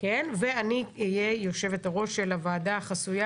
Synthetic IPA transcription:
ke̞nve̞aniijejo̞ʃe̞vetaʁo̞ʃːe̞lavaːdaχasuja

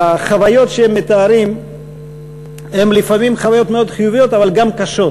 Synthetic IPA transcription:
aχavajo̞t̪ʃeemːet̪aːɾim | hemlifamimχavajo̞t̪me̞o̞d̪χijuvijo̞t̪avalɡamkaʃo̞

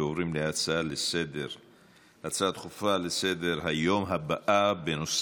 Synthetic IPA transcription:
ovʁimleat͡salesed̪eʁ | ʔat͡sat̪χufalesed̪eʁɦajomɦabaʔabenos

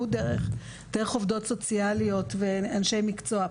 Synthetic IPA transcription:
udeʁeχ | d̥eʁeχo̞vd̪o̞tso̞t͡sialio̞tve̞anʃe̞jmikt͡so̞a

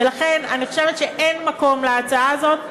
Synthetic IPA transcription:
elaχe̞naniχoʃevet̪ʃeʔenmako̞mleat͡saazo̞t̪

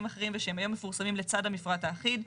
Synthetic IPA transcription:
maχeʁimveʃeemajo̞mːefuʁsamimlet͡sad̪amifʁataːχid

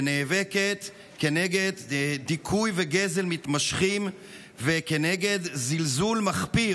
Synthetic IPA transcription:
neːveket̪ | keneɡe̞d̪d̪ikʰujveɡe̞ze̞lmit̪maʃχim | vekeneɡe̞d̪zilzulmaχpi

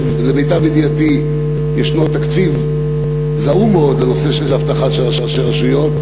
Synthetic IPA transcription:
vlebejtabid̪jat̪i | jeʃnot̪akt͡siv | zaʔumeo̞d̪ano̞seʃelhaft̪aχaʃeʁaʃaʃelʁaʃujom

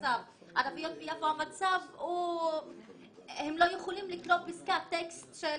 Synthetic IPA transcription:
av | ʔadavijot̪vijavoamat͡savu | hemlojuχolimliklot̚piskat̪ekst̪ʃe

